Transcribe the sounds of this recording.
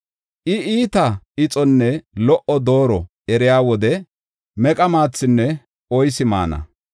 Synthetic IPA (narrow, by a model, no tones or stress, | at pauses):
ʔɪiːt̪ɐ | ɪt͡sʼɔnːɛlɔʔɔd̪o̞ːɾɔ | ɛɾɪjaːwɔd̪ɛ | mɛkʼɐmaːt͡sːɪnːɛ | ɔjsɪma̰ːnɐ̰